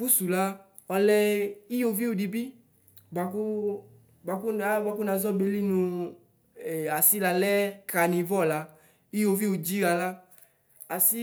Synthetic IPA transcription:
fu˦su˨la˦ | ɔ˧lɛ˧i˦jo˧vi˦u˨di˧bi˦ | ba˨ku˦ | ba˧ku˦a˦ba˧ku˦na˧zɔ˦˨be˧li˦nũ˧ | ɛ˨a˨si˦la˧lɛ˦ka˨nĩ˧vɔ˦˨la˧˦ | i˦jo˧vi˦u˨d͡ʒi˦ɾa˧la˦ | a˨si˦

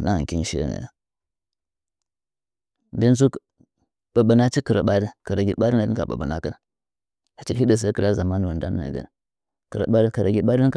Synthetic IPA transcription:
na˦˨kʲi˦n˦ʃḭ˦nə̰˨ | be˦n˦s̬u˦ | ɓ̥ə˨ɓə˨na˦t͡ʃi˦kə˨ɾa˨ɓa˦də˦kə˨ɾa˨ɡʲi˦ɓa˦i˦na˨˦ka˨ɓə̰˨bə˨na˨kə˦n˦ | ha˨t͡ʃi˦i˦də˦˨s̬ə˦kə˨la˦za˨ma˦n˨wu˨nda˦nː˦a̰˨ɡə̰˨n˨ | kə˨ɾa̰˨ɓa˦kə˨ɾa˨ɡʲi˦ɓa˦

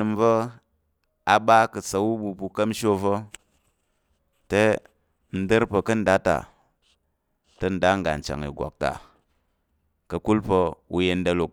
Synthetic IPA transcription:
ɨ˧mvə˦ | a˨ɓa˦kə˨t͡sə˨wu˦ɓu˧pu˧kə˦mʃo˦və˦ | te˦ | n̩˦də˦ɾpə˧kə˦n̩˦da˦ta̰˨ | tə˧n̩˦˨da˦ŋɡa̰˨n̩˨t͡ʃa̰˨ŋḭ˨ɡʷa̰˨k̚ta̰˨ | kə˧ku˦lpə˧u˧je˧n˦də˧lu˨k̚

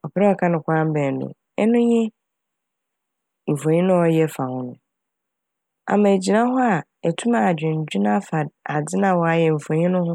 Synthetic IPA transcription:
ɔ˨pʰɪ˦ɾɛ˦ɔ˨˦kʰa˦nʊ̃˨kʷʰa˦m̩˦bɛ˨nʊ̰̃˨ | ɛ˦nʊ̃˦ɲɪ̃˦ | m̩˨fõ˨ɲĩ˦nʊ̃˦ɔ˦jɛ˦fa˨hʊ̃˦nʊ̃˨ | ã̰˨mã˨e˨d͡ʑi˨nã˦ɦʊ˦a˨ | ɛ˨tʰu˦ma˨d͡ʑᶣɪ̃˨ɲ̩˨d͡ʑᶣɪ˦nã˦fa˨a˨d͡zɪ˦nã˨wɔ˨a˦jɛ˨ɱ̩˨fõ˨ɲĩ˦nʊ̃˦hʊ̃˦

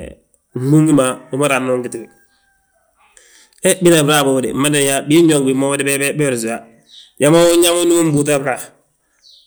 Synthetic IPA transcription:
m̩˨˦bu˦ŋi˦ma˨bu˦ma˦ɾa˨nːo˦ŋki˨ti˨wi˨ | e˦bi˦na˨bɾa˦˨bo˨bdḭ˨ma˦de˨˦ja˦bi˦ɲo˨kbi˨mo˦wdi˦be˦be˦be˦ɾsi˨a˨˦ | ja˦mo˦u˦ɲa˦mo˦nu˦u˦m˦bu˦t̬a˦bɾa˨

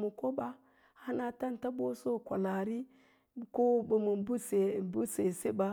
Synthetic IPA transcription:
mu˨ko˦ba˦ | ha˦na˨ta˦nta˦bo˦so˦˨kʷa̰˨la˨ɾi˦ | ko˦bə˨mu˨bu˦se˨bu˦se˨se˦ba˨

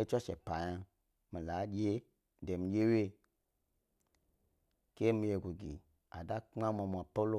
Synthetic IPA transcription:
e˦t͡ʃɔ˦ʃɛ˨pa˨ja˨ | mi˨la˨˦d͡ʒe˦ | de˨m˨d͡ʒe˦we˦˨ | ke˦mi˨˦e˨ɡu˨ɡi˨ | a̰˨da˦kŋ͡ma˦mɔ˨m˨a˨po˦lo˦

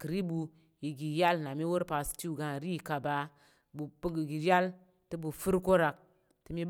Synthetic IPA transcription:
kɨ˨ɾi˦bu˧ | ji˨ɡi˨ja˦lna˨mi˦wo˦ɾpa˨sti˦u˨ɡa˨ɾi˦˨ka˨ba˨ | bu˨pə˦ɡi˨ɡi˨ja˦l | tɨ˦bu˨fu˦ɾko˦ɾa˨k̚ | ti˦mi˦b

